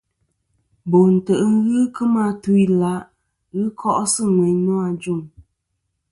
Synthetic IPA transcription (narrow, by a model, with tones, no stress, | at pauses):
bo˨n̩˨tə˨ʔɨ˦ŋ̩˦ɣɨ˦kɨ˦ma˦tu˦i˦la˦ʔ | ɣɨ˦kʰɔ˦ʔsɨ˦ŋwɛ˨nɔ˦a˨d͡ʒu˦˨ŋ